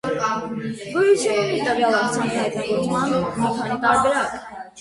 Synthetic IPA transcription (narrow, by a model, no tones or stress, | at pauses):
vujuʃɛɛɛt̪əvjɑlɑt͡sʰɑnihɑjt̪nɑɡɔɾt͡smɑnumikʰɑnit̪ɑɾbɛɾɑk